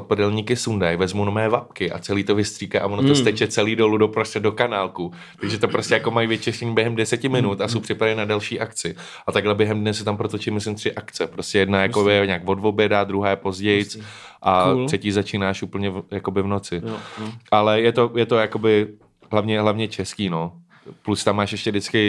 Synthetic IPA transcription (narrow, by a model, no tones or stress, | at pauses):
t̪pɛdɛlɲiːkɪsundajvɛzmunomɛːvap̚kɪʔa̰t͡sɛliːt̪ovɪst̪r̥iːkaʔavonot̪ost̪ɛt͡ʃɛt͡sɛliːdoludopɾostɾɛdo̞kanaːlku | t̪aɡʒɛt̪opɾoscɛjakomajivjɪt͡ʃɛsɛɲbjɛɦɛmdɛsɛcɪmɪnut̪ʔasowpr̝̥ɪpɾadɪnadɛlʃiːʔakt͡sɪ | ʔat̪aɡlɛbjɛɦɛmdnɛsɛt̪ampɾot̪ot͡ʃimɪslɪmt̪r̝̥ɪʔakt͡sɛpɾoscɛjɛdnajakoɛɲaːkvo̞dvobjɛdad̪ɾuɦaːjɛpo̞zɟɛjt͡s | ʔat̪tr̥ɛciːzat͡ʃiːnaːʃʔupl̩ɲɛvjako̞bɪvnot͡sɪʔalɛjɛt̪o̞jɛt̪o̞jako̞bɪ | ɦlavɲɛɦlavɲɛt͡ʃɛskiːno | plust̪amːaːʃʔɛʃcɛdɪt͡skɪ